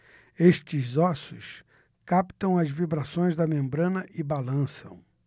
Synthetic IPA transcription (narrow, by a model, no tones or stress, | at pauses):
eʃt͡ʃɪzɔsʊs | kapt̪ɐ̃w̃ɐzvibɾasõj̃zd̪ɐmẽmbɾɐ̃nɐʔɪbalɐ̃sɐ̰̃w̃